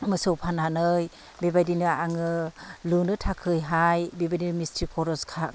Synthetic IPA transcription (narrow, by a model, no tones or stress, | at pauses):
mɯsɯwpʰananɯj | bebajdinɯaŋɯlunɯtʰakʰɯjɦajbebadinmistɾikʰɔɾɔskʰa